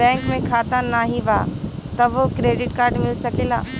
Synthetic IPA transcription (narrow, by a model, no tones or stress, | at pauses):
ɛ̃ːŋkmẽkʰaːt̪anaːɦiʋaːt̪ɐʋokɾeːɖɪʈkaːɾɖmɪlsɐkeːla̰ː